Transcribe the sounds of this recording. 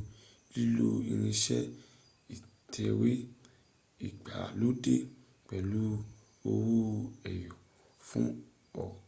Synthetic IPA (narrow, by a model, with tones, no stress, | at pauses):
i˦lo˦i˧ɾ̃ĩ˧ʃɛ˦ | i˨ | tʰɛ˧we˦ | i˨k͡pa̰˨lo˦de˦ | k͡pɛ˨lu˦ | o˧wu˦ɛ˨jɔ˨ | fũ˦ | ɔ˨